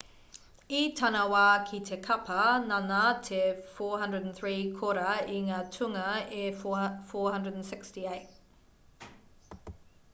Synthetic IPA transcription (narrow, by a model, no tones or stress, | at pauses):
itʰɐnɐwaːkʰitʰekʰɐpʰɐnanatʰefɔːɦɐ̃ndɹədnθɹiːkʰoɾɐiŋaːtʰʉŋɐefɔːhɐ̃ndɹədnsɪkstieɪt̚